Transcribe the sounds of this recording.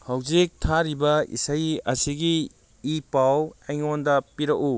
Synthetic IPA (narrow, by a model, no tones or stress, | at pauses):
hawzik̚tʰaɾibɐḭsajɐsiɡiː | pawejŋondɐpiɾɐku